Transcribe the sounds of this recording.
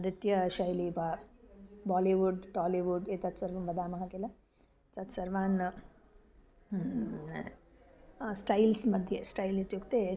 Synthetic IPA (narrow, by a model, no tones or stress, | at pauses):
ɾɪt̪jɐʃɐjliːpɐ | baːliʋuɖʈaːliʋuɖeːt̪ɐt̪sɐɾʋɐmʋɐd̪aːmɐɦɐkelɐ | t͡sɐt̪sɐɾʋaːn | sʈɐjlsmɐd̪ʱjɐsʈɐjlit̪jukt̪e